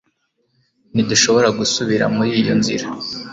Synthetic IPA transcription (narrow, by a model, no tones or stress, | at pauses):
niduʃo̞βo̞ɾaɡusuβiɾa̰muɾiːjonzḭɾa